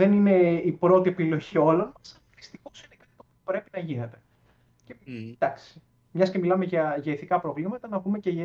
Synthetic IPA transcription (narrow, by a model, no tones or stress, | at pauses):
ðenine̞ipɾo̞t̪iepilo̞ʝio̞lo̞nmɐs | ðist̪ixo̞sinekɐt̪i̥t̪opiopɾe̞pinɐʝine̞t̪e̞ | ced̪ɐksi̥ | mɲɐscemilɐmeʝɐʝeiθikɐpɾo̞vlimɐt̪ɐnɐpumece